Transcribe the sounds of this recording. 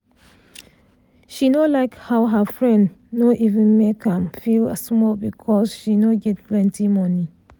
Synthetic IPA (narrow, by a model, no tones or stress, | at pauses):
ʃinolaɪkhaʊɦəfɹɛ̃ndnoʔivə̃nmekʰãmfiləsmɔbikʰɔsʃinoɡɛt̚plɛ̃ntimɔni